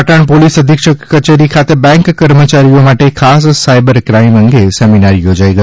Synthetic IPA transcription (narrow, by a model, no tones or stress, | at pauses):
ʈəɳpolisəd̪ʱikʃəət͡ʃeɾikʰat̪ebɛ̃ŋkkːəɾmət͡ʃaɾijomaʈekʰassajbəɾkɾaiməŋɡesɛminaɾjod͡ʒaiɡə